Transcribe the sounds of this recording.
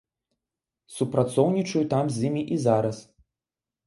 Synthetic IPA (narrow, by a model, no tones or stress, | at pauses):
supɾat̪sɔwnʲit͡ʂɐjut̪amzʲimʲiʔizaɾɐs